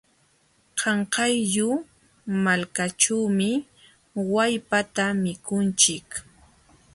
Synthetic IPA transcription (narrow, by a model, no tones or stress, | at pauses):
qʰɑɴqɑjʎʊ | malkat͡ʃawmɪ | wajpat̪amɪkʊnt͡ʃɪk